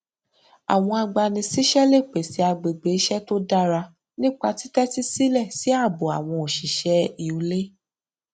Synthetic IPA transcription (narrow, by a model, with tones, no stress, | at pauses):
a̰˨w̃ɔ̃˧a˧ɡ͡ba˧nĩ˧si˦ʃɛ˦le˦˨k͡pe˨si˨˦a˧ɡ͡be˨ɡ͡be˨˦ʃɛ˦to˦da˦ɾa˧ | nĩ˦k͡pa˧ti˦tɛ˦ti˦si˦lɛ˦˨si˨˦a˦˨bo˨a̰˨w̃ɔ̃˧o˨ʃi˨ʃɛ˨˦i˨ũ˨˧˦le˦